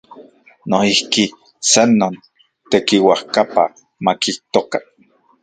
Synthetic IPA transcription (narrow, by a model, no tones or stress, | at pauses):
noihki | sanːon | t̪ekiwahkapa | makiht̪okḁ